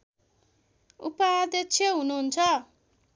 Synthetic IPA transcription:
ṵpad̪ʌt͡sʰjʌɦunuɦunt͡sʰʌ

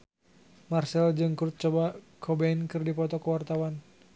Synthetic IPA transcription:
marsɛld͡ʒɨŋkurt̪̚t͡ʃɔbakʰɔbɛnkɨrdipɔt̪ɔkəwart̪awan

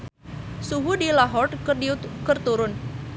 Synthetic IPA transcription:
suɦudilaɦɔrt̪krdikərt̪uɾʊn

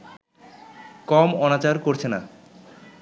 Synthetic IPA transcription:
kɔmɔnat͡ɕaɾkoɾt͡ɕʰena

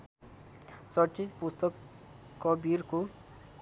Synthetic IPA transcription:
sʌt͡ʃit͡spust̪ʌk | kːʌbiɾko

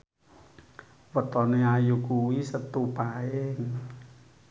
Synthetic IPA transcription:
wɔt̪ɔniajukuwisət̪ːupaeŋ

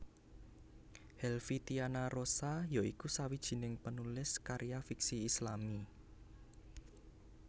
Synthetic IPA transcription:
hɛlfit̪ianaɾosajoikusawid̥ʒ̥i̤nɪŋpənulɪskaɾʔijafiksiːslami

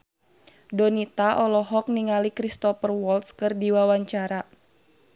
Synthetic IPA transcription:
dɔnit̪aʔɔlɔɦɔk̚niŋalikɾist̪ɔpərwɔlt̪skɨrdiwawaɲt͡ʃaɾa

